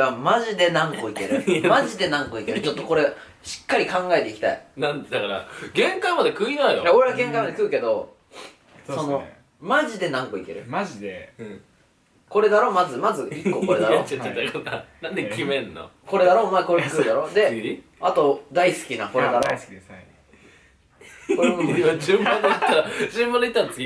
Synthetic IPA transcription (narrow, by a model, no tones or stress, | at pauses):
amaʑid̪e̞nãŋko̞ike̞ɾɯmaʑid̪e̞nãŋkoikeɾɯ̟t͡ɕo̞t̪ːo̞ko̞ɾe̞ | ɕi̥kːaɾʲikãŋɡae̞t̪e̞ikʲi̥t̪a̰ḭnãnd̪akaɾa̰ɡẽ̞ŋkamad̪ekɯ̟inajojaoɾe̞βaɡẽ̞ŋkamad̪ekɯ̟ːke̞d̪o̞ | sso̞no̞ | maʑid̪e̞nãŋkoike̞̰ɾɯ̟mʑid̪ẽ | ko̞ɾe̞d̪aɾo̞ːmazɨmazɨikːo̞ːko̞ɾed̪aɾ̰t͡ɕaːet̪ːakananãnd̪ekʰʲimẽ̞nːo̰ko̞ɾe̞d̪aɾo̞ːmakoɾkɯːd̪aɾo̞ːd̪e̞ | at̪o̞d̪aisɨ̥kʲinako̞ɾed̪aɾo̰ | komokiad͡ʑɨ̃mbandeitt̪ːaɾad͡ʑɨ̃mbãnd̪eit̪ːaɾat͡sɨ̥kʲi